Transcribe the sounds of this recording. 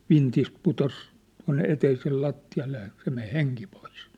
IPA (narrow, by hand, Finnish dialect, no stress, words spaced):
ʋintist putos tuɑ̝nːe eteisel lɑtːiɑlːe jɑ se men̞ heŋki pois